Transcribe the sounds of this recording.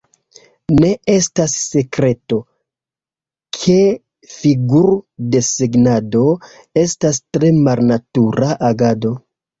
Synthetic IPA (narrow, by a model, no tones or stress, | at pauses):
ne̞e̞stasːe̞kɾe̞to̞ | kʰe̞ | fiɡuɾde̞seɡnado̞ | e̞stastɾe̞malnatuɾaʔaɡado̞